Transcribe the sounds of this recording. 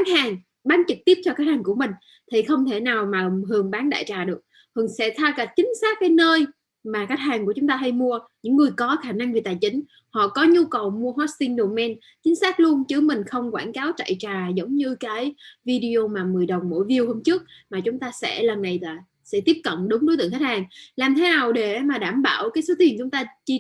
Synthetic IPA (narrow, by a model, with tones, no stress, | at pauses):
a˦˥k̚haː˨˩ŋ | ɓaː˨˦nt͡ɕɨ˨˩k̚t̪i˦˥əp̚t͡ɕɔ˧kaː˦˥k̚haː˨˩ŋku˧˩əmï˨˩ŋ̟ | t̪ʰi˨˩xə˧wŋ͡mt̪ʰe˧˩naː˨˩wmaː˨˩hɨ˨˩əŋɓaː˨˦nɗa̰ː˧˨jt͡ɕaː˨˩ɗɨ˨˩ək̚ | hɨ˨˩ŋsɛ̰˧˥t̪ʰaː˧ka˨˩t̚t͡ɕï˨˦ŋ̟saː˦˥k̚ːaː˨˦jnəː˧j | maː˨˩ka˦˥k̚haː˨˩ŋku˧˩ət͡ɕʊ˨˦ŋ͡mt̪aː˧ɦa˧jmu˧əɲɨ̰˧˥ŋːɨ˨˩əjkɔ˨˦xaː˧˩na˧ŋvi˨˩t̪aː˨˩jt͡ɕï˨˦ŋ̟ | hɔ̰˧˨kɔ˨˦ɲu˧kə˨˩wmu˧əɦɔ˦˥t̚st̪i˧nɗo˨˩mɛ˧n | t͡ɕï˨˦ŋ̟saː˦˥k̚lu˧ənt͡ɕɨ˨˦mï˨˩ŋ̟xə˧wŋ͡mkwaː˧˩nkaː˨˦wt͡ɕa̰˧˨jt͡ɕaː˨˩zə˨˦wŋ͡mɲɨ˧kaː˨˦jvi˧ɗi˧o˧maː˨˩mɨ˨˩əjɗə˨˩wŋ͡mmo̰˧˥˩jvi˧əwhoː˧mt͡ɕɨ˦˥ək̚maː˨˩t͡ɕʊ˨˦ŋ͡mt̪aː˧sɛ̰˧˥lə˨˩nːa˨˩jlaː˨˩ | sɛ̰˧˥t̪i˦˥p̚kə̰˧˨nɗʊ˨˦ŋ͡mɗo˨˦t̪ɨ̰˧˨ŋxa˦˥t̚haː˨˩ŋlaː˨˩mt̪ʰe˨˦naː˨˩wɗe˧˩maː˨˩ɗaː˧˩mɓa̰ː˧˩wkaː˨˦jso˨˦t̪i˨˩ənt͡ɕʊ˨˦ŋ͡mt̪aː˧t͡ɕi˧